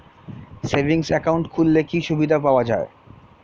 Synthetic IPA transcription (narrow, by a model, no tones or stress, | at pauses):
sebʱiŋsɛkauɳʈkʰulːekiʃubid̪ʱapaoad͡ʑae